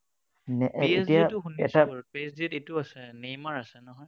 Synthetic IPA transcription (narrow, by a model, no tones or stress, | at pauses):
nɛʔestijatʊxunɛ̰tapesditetuasɛnejmaɹasɛnɔɦɔj